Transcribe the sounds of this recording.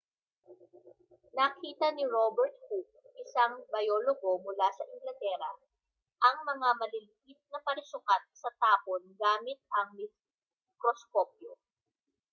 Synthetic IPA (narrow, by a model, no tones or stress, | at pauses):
nɐkʰiːt̪ɐnɪɹobɛɾt̪̚huk̚ʔɪsaŋbɐjoːloɡo̞mʊlasɐʔɪŋɡlɐt̪ɛːɾɐ | ʔɐŋmɐŋamɐlilɪʔɪt̪̚nɐpɐɾɪsʊkat̪̚sɐt̪aːponɡaːmɪt̪̚ɐŋmɪs | kɾoskop̚jo